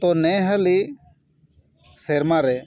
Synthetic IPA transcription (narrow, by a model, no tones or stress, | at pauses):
t̪onɛɦəli | seɾmaɾɛ